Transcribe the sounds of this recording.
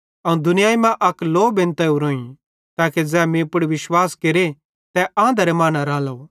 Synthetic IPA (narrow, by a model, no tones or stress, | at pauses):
ɐũd̪ʱʊnɪjaːimãʔɐkloːbɪ̃nt̪ɐuɾõːĩ | t̪aːked͡zɛːmĩpʊɽiʋɪʃwaːskeɾe | t̪ɛʔãːnd̪ɾemaːnaɾãːlɐo